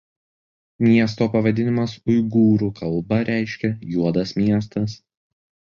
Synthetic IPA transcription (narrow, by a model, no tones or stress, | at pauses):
mʲiɛs̬t̪oːpɐʋɐd̪ʲɪnʲɪmɐsʊɪɡuːɾuːkʰɐlˠbɐɾʲʔæˑɪʃʲkʲɛjuɔd̪ɐsmʲiɛst̪ɐs